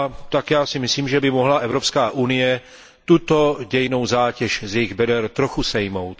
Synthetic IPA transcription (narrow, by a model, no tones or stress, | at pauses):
t̪akjaːsɪmɪsliːmʒɛbɪmoɦlaʔɛvɾo̞pskaːʔunɪjɛ | t̪ut̪o̞ɟɛjɪno̞wzaːcɛʃzjɛjɪɣbɛdɛɾt̪ɾoxusɛjmowt̪